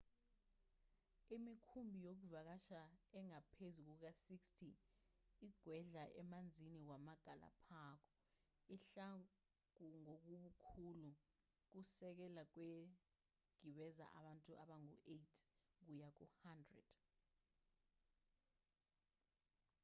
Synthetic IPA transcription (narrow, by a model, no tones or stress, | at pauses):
imikʰumbʱijok̬uvak̬aʃaɛŋapʰezuk̬uk̬asikstʰi | iɡ̥ʱwɛɮaʔɛmand͡zʱinik̬wamaɡ̥ʱalʔa̰pʰakʰɔ̥ | iɬa | kuŋok̬uɓukʰulu | k̬usɛk̬ɛlak̬we | ɡ̥ʱiɓɛza̰ʔa̰ɓantʼuʔaɓaŋuʔejtʰk̬ujak̬uhandrɛ̰d̥